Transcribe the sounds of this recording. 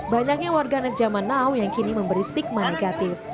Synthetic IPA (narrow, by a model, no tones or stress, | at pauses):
baɲak̚ɲawarɡanɛt̪̚d͡ʒamanːawjaŋkiniməmbəɾist̪ɪk̚maneɡat̪ɪf